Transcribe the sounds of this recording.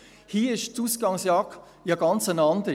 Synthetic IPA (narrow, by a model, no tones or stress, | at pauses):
hiːɪʃt͡suːsɡ̥ɑŋsjɑːk | jɑɡɑnt͡sənɑndə